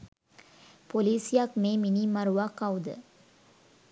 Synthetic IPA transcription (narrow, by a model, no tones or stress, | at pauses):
poliːsijakmeːminiːmɐɾuʋakɐud̪ə̰